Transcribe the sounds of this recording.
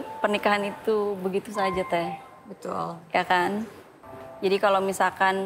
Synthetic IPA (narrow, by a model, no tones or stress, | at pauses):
pərnikaɦanit̪ubəɡit̪us̬ad͡ʒat̪ɛh | bət̪ṵljakan | d͡ʒadikalomisakan